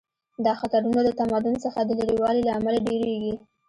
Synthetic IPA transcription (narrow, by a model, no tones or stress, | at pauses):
d̪ɑxat̪aɾunalət̪amad̪ʊnsəxad̪əlaɽiwɑlilaamalaɖeɾeɡi